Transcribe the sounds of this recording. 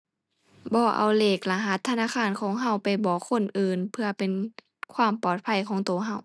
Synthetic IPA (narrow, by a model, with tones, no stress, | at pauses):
bɔː˧˦ʔa̰˧˩wleː˧˩k̚la˧ɦa˧˦˥t̪ʰːa˧naː˧˥˨kʰaː˧˥˨nkʰɔː˨˦ŋɦa˧˥˨wpa˨˩jbɔː˨˦kʰːo˧˥˨nʔɯː˨npʰɯ˧ɐpe˨n | kʰwaː˧˩˨mpɔː˨˩t̪̚pʰa˧˩jkʰɔː˨˦ŋt̪oː˨˦ɦa˧˩w